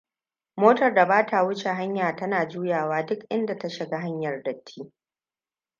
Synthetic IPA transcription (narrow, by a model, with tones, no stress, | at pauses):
moː˦tɐ˨rda˨baː˦ta˨wʊ˦t͡ʃe˨ɦa˦ɲjaː˨tɐ˦naː˨d͡ʒuː˦jaː˨waː˦dʊ˦kʔɪ˦nda˨ta˦ʃɪ˨ɡa˦ɦa˦ɲjɐ˨rdɐ˨tʰːiː˦